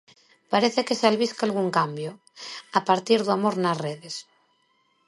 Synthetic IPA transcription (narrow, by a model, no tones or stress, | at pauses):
paɾeθekesalβiskalɣ̞uŋkambjo | apaɾt̪iɾðuamoɾnazreðes